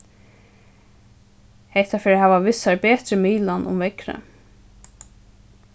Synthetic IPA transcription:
hɛjt̪ʰafɪːɾhaːʋaʋɪsaɹbɛːt̪ɾɪmiːlanʔʊ̰mvɛkɾa̰

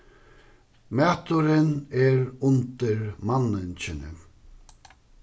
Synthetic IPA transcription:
mæːt̪ʊɾɪnɛɾʊnt̪əɾmanɪnt͡ʃɪnə̰

